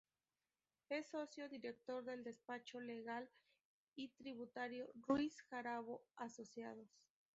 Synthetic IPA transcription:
e̞so̞sjo̞ðiɾek̚t̪o̞ɾðe̞ld̪e̞spat͡ʃo̞le̞ɣal | it̪ɾiβut̪aɾjorwisxaɾaβoaso̞sjaðos

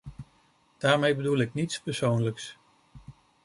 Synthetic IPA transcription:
d̥aːɹmejbədulɪknitspɛɹsownləks

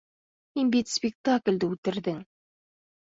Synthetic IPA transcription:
minbet̪spʲɪk̚t̪akʲlʲd̪ɘʉt̪ɪ̆ɾd̪ɪŋ

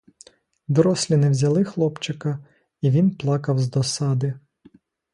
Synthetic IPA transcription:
d̪ɔɾɔsʲlʲinɛwzʲɐlˠɪxlˠɔpt͡ʃɪkɐ | iʋʲinplˠɑkɐwzd̪ɔsɑd̪ɪ

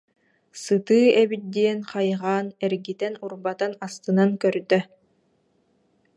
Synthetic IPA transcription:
sɯt̪ɯːɛbit̪̚d̪iɛnqajʁaːnɛɾɡit̪ɛnuɾbat̪anast̪ɯnankœɾd̪œ

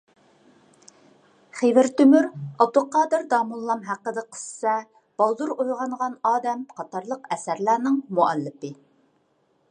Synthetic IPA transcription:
χevɪɾt̪ymyɾɑb̚d̪ulˠqɑːd̪ɨɾd̪ɑːmulˠːɑmɦæqːəd̪ɨqʰə̥ssɛ | b̥ɑlˠd̪uɾojʁɑɴʁɑnɑːd̪ɛmqʰɑt̪ɑɾlˠəqɛsæɾlæːnɨŋmuælːɪpɨ

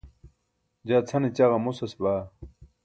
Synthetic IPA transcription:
d͡ʑaːt͡sʰɐnit͡ɕaɣɐmusɐsbaː

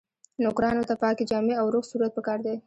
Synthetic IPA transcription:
nʊkɾɑnot̪apɑked͡ʒɑmeawɾoqsuɾat̪̚pəkɑɾd̪e

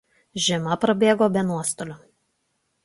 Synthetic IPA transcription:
ʒʲɪmɐpɾɐbʲeːɡoːbʲɛnuɔst̪olʲʊ

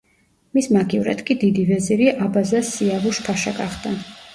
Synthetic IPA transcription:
mismaɡʼivɾa̰d̪kʼid̪id̪ivɛziɾiʔabazasiavuʃpʰaʃaɡaχd̪a

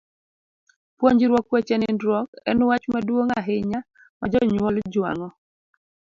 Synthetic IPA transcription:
pwoɲd͡ʒɪɾwɔkwɛt͡ʃɛnɪndɾɔkɛ̰nwat͡ʃmadwoŋaɦɪɲa | mad͡ʒɔɲwɔld͡ʒwa̰ŋɔ

